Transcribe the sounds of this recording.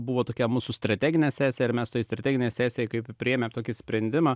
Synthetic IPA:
bʊʋoːt̪oːkʲɛmuːsʊst̪ɾɐt̪ʲæːɡʲɪnʲɛsʲæːsʲjɛɪɾmʲɛst̪oːjɪst̪ɾɐt̪ʲæːɡʲɪnʲɛɪsʲæːsʲejɛɪkɐɪppʲɾʲɪeːmʲɛmt̪oːkʲɪsʲpʲɾʲɛnʲd̪ʲɪmɑː

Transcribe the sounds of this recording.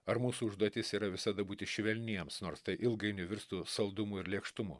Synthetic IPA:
ɐɾmuːsuːʊʒd̪uɔt̪ʲɪsiːɾɐʋʲɪsɐd̪ɐbuːt̪ʲɪʃʲʋʲɛlʲnʲiɛmsnoːɾst̪ɐɪʔɪlˠɡɐɪnʲʊʋʲɪɾst̪uːsɐlˠd̪ʊmʊɪɾlʲiɛkʃt̪ʊmʊ̰

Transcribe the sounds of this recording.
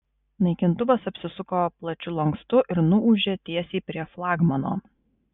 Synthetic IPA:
nɐɪkʲɪnt̪ʊʋɐsɐpʲsʲɪsʊkoːplˠɐt͡ʃʲʊlˠɐŋkst̪ʊʔɪɾnʊʔuʒʲeːt̪ʲiɛsʲiːpʲɾʲiɛflˠɑːɡmɐno̰ː

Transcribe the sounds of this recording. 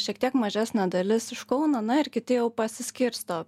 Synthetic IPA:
ʃʲiɛkt̪ʲiɛkmɐʒʲæsʲnʲæd̪ɐlʲɪsɪʃkɐʊnɐnɐɪɾkʲɪt̪ʲɪjɛʊpɐsʲɪsʲkʲiɾʲst̪oː

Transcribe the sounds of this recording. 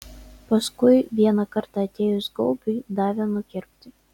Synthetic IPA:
pɐskʊjʋʲiɛnɐkɐɾt̪ɑɐt̪ʲeːjʊsɡɔlbʲʊjd̪ɑːʋʲɛnʊkʲɪɾʲpʲt̪ʲɪ

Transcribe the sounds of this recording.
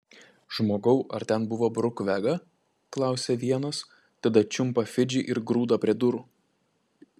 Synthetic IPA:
ʒ̥moːɡɐʊʔɐɾt̪ʲɛnbʊʋoːbɾʊkʋʲæɡɐ | klˠɑˑʊsʲɛʋʲiɛnɐs | t̪ɐd̪ɐt͡ʃʲʊmpɐfʲɪd͡ʒʲɪʔɪɾɡɾuːd̪ɐpʲɾʲiɛd̪ʊɾʊ

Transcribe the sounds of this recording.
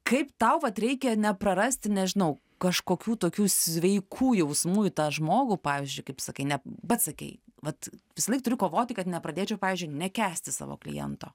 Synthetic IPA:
kɐɪpt̪ɐʊʋɐt̪ɾʲɛɪkʲɛnʲɛpɾɐɾɐsʲt̪ʲɪnʲɛʒʲɪnɐʊ | kɐʃkoːkʲuːt̪oːkʲuːsʲʋʲɛɪkʰuːjɛʊsmuːjɪt̪ɑːʒmoːɡupɑːʋʲɪzʲd͡ʒʲʊɪkɐɪpsɐkɐɪnʲɛbɐt̪sɐkʲɛ̰ɪʋɐt̪ʋʲɪsɐlˠɐɪk̚t̪ʊɾʲɪkoːʋoːt̪ʲɪkɐt̪nʲɛpɾɐd̪ʲeːt͡ʃʲɛʊpɑːʋʲiːzʲd͡ʒʊɪnʲɛkʲæːsʲt̪ʲɪsɑ̰ːʋo̰ːklʲɪ̰jɛ̰nt̪o̰ː

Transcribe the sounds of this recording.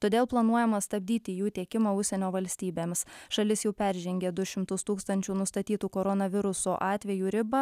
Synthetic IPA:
t̪oːd̪ʲeːlˠplˠɐnuɔjɛmɐst̪ɐbʲd̪ʲiːt̪ʲɪːjuːt̪ʲiɛkʲɪmɐʊʃʲsʲɛnʲoːʋɐlʲsʲt̪ʲiːbʲeːmʲsʃɐlʲɪsjɛʊpʲæˑɾʲʒʲɛŋʲɡʲeːd̪ʊʃʲɪmt̪ʊst̪uːkst̪ɐnʲt͡ʃʲuːnʊst̪ɐt̪ʲiːt̪uːkoɾɔnɐʋʲɪɾʊsoːʔɑːt̪ʲʋʲɛjuːɾʲɪbɐ

